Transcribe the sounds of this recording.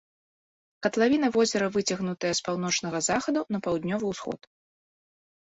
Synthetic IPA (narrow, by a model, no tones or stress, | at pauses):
kɐt̪lˠavʲinɐvɔzʲɛɾɐvɨt͡sʲɐɣnut̪ɐjɐspawn̪ɔt͡ʂn̪ɐɣɐzaxɐd̪unɐpawd̪nʲɔvɨwsxɔ̰t̪